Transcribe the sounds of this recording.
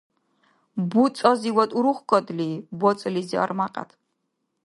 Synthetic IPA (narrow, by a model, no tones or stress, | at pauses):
but̪sʼɔziwɔt̪ʼuɾuχkʼɔd̪libɔt̪t͡ssʼlizia̰ɾmaqʼa̰t̪ʰ